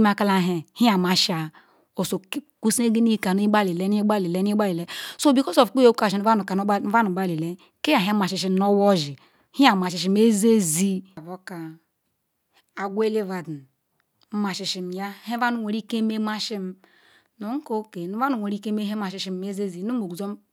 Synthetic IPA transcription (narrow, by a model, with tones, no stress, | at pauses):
ma˨ka˦la˦ɦe˨hi˦a˨ma˨ʃa˨ | o˨so˨˦ku˦si˦e˦ɡi˦ni˦˨ka˨nu˦i˦ba˦li˨le˦n˦i˦ɡ͡ba˦li˨le˦n˦ɡ͡ba˦li˨le˨˦so˦˨bi˦ko˦so˨fk͡pu˦o˦ka˨i˨n˦a˦nu˨ka˨n˦va˦nu˨ɡ͡ba˦li˨le˦ | ke˦ja˨ɦe˦ma˨ʃi˨ʃ̬i˦m˦no˦wo˦ʒi˨ | hi˦a˨ma˨ʃi˨ʃ̬i˨me˦ze˦zi˦˨vo˦ka˨ | a˨ɡʷe˦le˦va˨dn˦ | ma˨ʃi˨ʃi˨m˨ja˦he˦va˦nu˨wʷe˨ɾi˦ke˦me˦ma˦ʃi˦m˦ | no˨˦ŋ̩˦ko˦ke˨nu˦va˦nu˨wɾi˦ke˦me˦ɦe˦ma˨ʃi˨˦ʃi˦m˦e˦ze˦zi˨nu˦mo˨ɡu˨zo˦m